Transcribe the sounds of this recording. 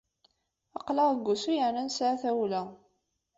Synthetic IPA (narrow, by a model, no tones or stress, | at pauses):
ɑqləʁəɡʷːusujəʕnænsʕaθæwlæ